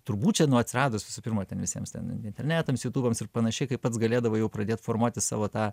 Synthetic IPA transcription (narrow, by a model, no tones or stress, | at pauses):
t̪ʊɾbuːtt͡ʃʲɛnʊɐt̪ʲsʲɪɾɑːd̪oːsʋʲɪsuːpʲɪrmɐːt̪ʲɛnʋʲɪsʲiɛmst̪ʲɛ̰nɪ̰ɪnʲt̪ʲɛɾʲnʲæːt̪ɐmsjuːt̪uːbɐmsɪrpɐnɐʃʲɛɪkɐɪpɐt̪sɡɐlʲeːd̪ɐʋoːjɛʊpɾɐd̪ʲeːt̪foːrmuɔt̪ʲɪsɑ̰ːʋoːt̪ɑː